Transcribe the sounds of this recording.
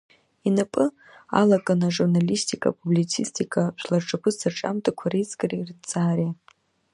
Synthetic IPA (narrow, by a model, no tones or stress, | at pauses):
inapʼɨ | a̰lakʼanaʒurnalistʰʼikʼa̰pʰʼublit͡sʰistʰʼikʰʼaʃʷᶣlarʈ͡ʂʼakʷʰɨsarʈ͡ʂʼa̰mtʼakʷʰaɾit͡sʼɡʼarirt͡saːɾe